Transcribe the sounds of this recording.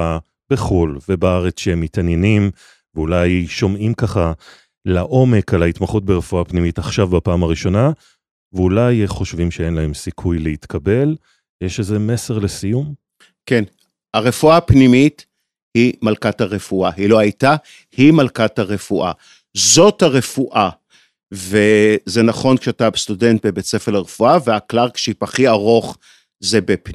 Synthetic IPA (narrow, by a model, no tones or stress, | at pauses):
a | b̥eχulvebaaʁet͡sʃehemːitanjenim | veulajʃo̞mimkaχa | laʔo̞me̞kalait̪maχut̚beʁefuapnimitaχʃavbapaːmaʁiʃo̞na | veulajχo̞ʃvimʃee̞nlahe̞msikʰujleit̪kʰabe̞l | jeʃezeme̞se̞ʁle̞sijum | ken | aʁe̞fuapnimit | himalkataʁe̞fuaɦilo̞ajta | himalkathaʁe̞fuʔa̰ | zo̞thaʁe̞fuʔa | veze̞naχo̞nkʃeatabestude̞nt̚bebet͡se̞felaʁefuaveaklaʁkʃipaχiaʁo̞χ | ze̞bep